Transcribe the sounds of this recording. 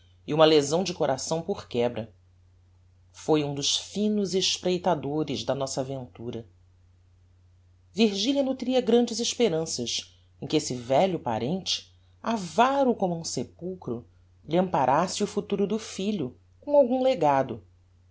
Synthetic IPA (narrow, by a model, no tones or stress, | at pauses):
iũmɐlezɐ̃w̃d͡ʒɪkoɾʔasɐ̃w̃poχkɛbɾɐ | fojũd̪ʊʃfĩnʊzeʃpɾejt̪ad̪oɾɪzd̪ɐnɔsɐavẽnt̪uɾɐ | viɾʒiʎʲiɐnut̪ɾiɐɡɾɐ̃d͡ʒɪzɪʃpeɾɐ̃sɐʃ | ẽkɪesɪvɛʎʊpa̰ɾẽnt͡ʃɪ̥ | avaɾʊkõmʊũsepuwkɾʊ | ʎiɐ̃mpaɾʔasɪʊfut̪uɾʊd̪ʊfiʎʊ | kõawɡũleɡad̪ʊ